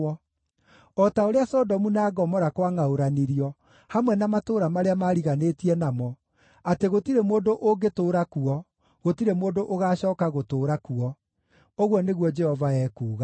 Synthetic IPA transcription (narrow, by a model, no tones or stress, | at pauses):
ɔ | ɔtaoɾeasɔdɔmunaːɡɔmɔɾakwaŋaoɾaniɾiɔ | hamwɛnamatoːɾamaɾeamaɾiɣanetiɛnamɔ | ateɣotiɾemoːndoʔoɡetoːɾakuɔ | ɣotiɾemoːdoʔoɣaːɕɔːkaɣotoːɾakuɔ | oɣwɔneɣwɔd͡ʒɛhɔvaɛːkuːɣa